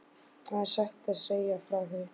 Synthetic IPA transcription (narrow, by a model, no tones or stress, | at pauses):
aðsaht̪aðseːjafɾawθɪ